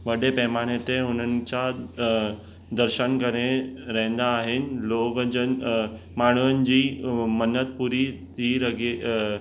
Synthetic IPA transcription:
ʋɐɽepɐɦmaːɽ̃ɪt̪eʊn̤ənɪ̆t͡ɕa | d̪ɐɾʃənkɐɾeɾɐɦẽnd̪aːɦɪnɪ̆loːɡən | maːɳ̤̃uʋənɪ̆d͡ʑiːmɐnət̪̚puːɾit̪ʰiɾɐɡe

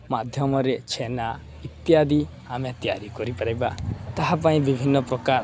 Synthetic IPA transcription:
mad̪ʱjɔmɔɾet͡ʃʰena | it̪jad̪i | amat̪ija̰ɾikɔɾipaɾajbat̪aɦapãĩbibʱinːɔpɾɔkaɾ

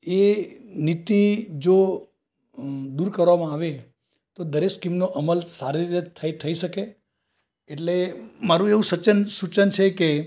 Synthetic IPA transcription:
enit̪id͡ʒo | d̪uɾkəɾʋamãaʋe | t̪od̪əɾeskimnoʔəməlsaɾiɾit̪ət̪ʰəit̪ʰəiʃəkeː | ʈlemaɾũeʋũsət͡ʃənsut͡ʃənt͡ʃʰeke

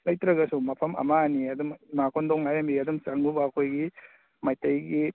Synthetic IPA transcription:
lɐjtɾɐɡɐsumɐpʰɐmɐ̰maniɐdummakʰondɔŋajambiɐdumsaŋbubɐːkʰojɡi | majtɐjɡi

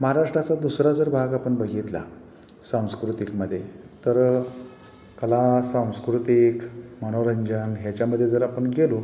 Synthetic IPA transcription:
məɦaɾaʂʈɾat͡sad̪usɾad͡zəɾbʱaɡapəɳbəɡʱit̪la̰ | sãw̃skɾut̪ikməd̪ʱːje | t̪əɾ | kəlasãw̃skɾut̪ikməɽ̃oɾəɲd͡ʑənɦjat͡ɕjaməd̪ʱːjed͡zəɾapəɳɡelo

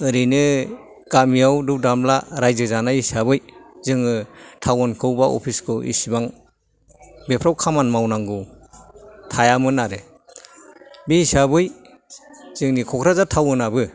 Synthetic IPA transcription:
ɯɾinɯ | ɡ̥amijawdɯp̚damlaɾajzɯzanajisabɯjzɯŋɯtʰawɔnkʰɯwbaʔɔ̰pʰiskʰɯʔḭsibaŋ | bepʰɾawkʰamanmawnaŋɡɯ | tʰajamɯnaɾɯ | biisabɯj | z̥ɯŋnikʰɔkʰɾazatʰawɯnabɯ

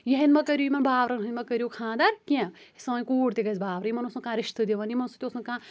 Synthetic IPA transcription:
jɐɦɐ̃nʲmɐkɐɾʲjuːjimɐnbʱaːʋɾɐnɦɐnʲmɐkɐɾjokʰãːd̪ɐɾkẽsɐʋnʲkuːɽt̪eɡɐzbʱaːʋɾɐjimɐnosɐkãːɾiʃt̪ɨd̪iʋɐnimɐnosut̪ʲosnɐ̃kãː

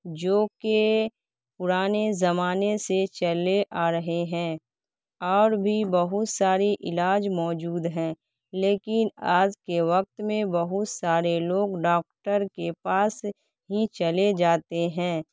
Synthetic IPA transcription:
d͡ʒoːke | pʊɾaːnezɐmaːneset͡ʃəleʔaːɾɐɦeɦɛ̃ː | ɔːɾbʱibɐɦʊt̪saːɾiʔɪlaːd͡ʒmɔːd͡ʒuːd̪ɦɛ̃ː | leːkɪnaːd͡ʒkeʋɐk̚t̪mẽbɐɦʊt̪saːɾeloːɡɖaːk̚ʈəɾkepaːs | ɦit͡ʃɐled͡ʒaːt̪eɦɛ̃ː

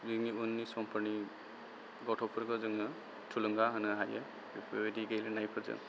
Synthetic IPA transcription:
ziŋiunːisɔmpʰɯni | ɡɔtʰɔpʰɯɾɡɯzɯŋɯ | tʰulɯŋɡaɦɯnɯɦajɯ | pʰediɡejlɯnajpʰɯɾzɯ̰ŋ

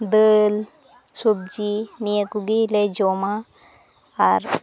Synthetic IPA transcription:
d̪əl | sub̚d͡ʒinijəkuɡiled͡ʒoma | aɾ

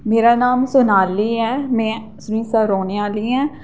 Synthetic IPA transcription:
meːɾaːnaːmsʊnaːliːɛːmɛ̃ː | sʊnĩːsəɾoːneːaːliːɛ̃ː

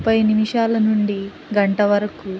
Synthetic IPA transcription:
pɐjnimiʂaːlɐnuɳɖi | ɡɐɳʈɐʋɐɾɐku

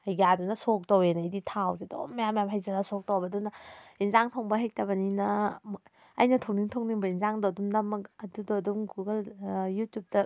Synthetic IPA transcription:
ajɡadunɐsok̚towenajditʰawzedo̰mːajamːjamɦajzɐlasok̚towbɐdunɐinzaŋtʰoŋbɐɦek̚tɐbɐninɐː | jnɐtʰoŋniŋtʰoŋniŋbɐinzaŋdoɐdumnɐmːɐkɐdudoɐduŋɡuɡɐljutjup̚tɐ

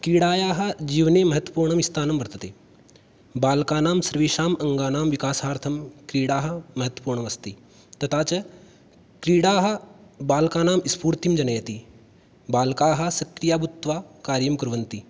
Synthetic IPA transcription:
kɾiːɽaːjaːɦɐ̆d͡ʒiːʋneːmɐɦɐt̪wɐpuːɾɳɐmist̪ʰaːnɐmbɐɾt̪ɐt̪eː | baːlkaːnaːmsɐɾʋiːʃaːmɐŋɡaːnaːmʋikaːsaːɾt̪ʰɐmkɾiːɽaːɦɐ̆mɐɦɐt̪wəpuːɾɳɐmɐst̪i | t̪ɐt̪ʰaːt͡ʃɐ | kɾiːɽaːɦɐbaːlkaːnaːmispuːɾt̪imd͡ʒɐnɐjɐt̪i | baːlkaːɦɐ̆sɐkɾijaːbut̪ːʋaːkaːɾjɐmkɾʋɐnt̪i

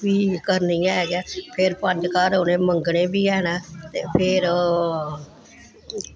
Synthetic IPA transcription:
ʋiːkəɾnijãːɦɛːɡaːpʰɪɾpəɲd͡ʒkaːɾoːnẽːməŋɡɽẽːbiːɛːnãːt̪eːpʰɪɾ

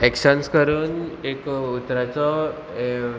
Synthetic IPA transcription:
ɛkɕənskəɾuːnekut̪ɾat͡sɔ

